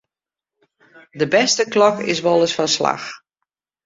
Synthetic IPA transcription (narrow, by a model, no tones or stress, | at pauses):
dəbɛstəklɔkɪ̰s̬ʋɔlˠəsfɔnsla̰x